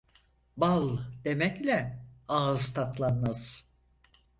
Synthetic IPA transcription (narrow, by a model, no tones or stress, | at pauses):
balˠd̪̥e̞mɛclʲɛaːzt̪ʰat̪lˠanmaz̥